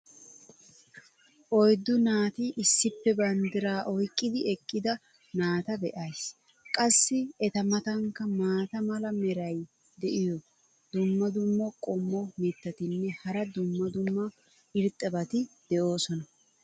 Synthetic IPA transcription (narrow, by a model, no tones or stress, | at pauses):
ʔɔjd̪ːʊnaːt̪ɪʔɪsːɪpːɛbɐnd̪ɪɾaːʔɔjkʼːɪd̪ɪɛkʼːɪd̪ɐ | naːt̪ɐbɛʔɐjs | kʼɐsːɪɛt̪ɐmɐt̪ɐŋkːɐmaːt̪ɐmɐlɐmɛɾɐj | d̪ɛʔɪjɔ | d̪ʊmːɐd̪ʊmːɐkʼɔmbɔmɪt̪ːɐt̪ɪnːɛhɐɾɐd̪ʊmːɐd̪ʊmːɐ | ɪɾt̪ʼːɐbɐt̪ɪd̪̥ɛʔo̞ːsɔnɐ